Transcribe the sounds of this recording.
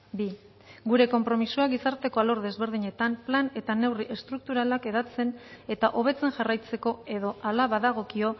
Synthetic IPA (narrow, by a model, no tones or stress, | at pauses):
bi | ɡuɾe̞ko̞mpɾo̞misuaɣisaɾt̪e̞ko̞aloɾðe̞zβe̞ɾð̞iɲe̞t̪amplane̞t̪ane̞wriʔe̞st̪ɾuk̚t̪uɾalake̞ð̞at͡se̞ne̞t̪aʔo̞β̞e̞t͡se̞ŋʝarajt͡se̞ko̞e̞ðo̞alaβaðaɣ̞o̞kio̞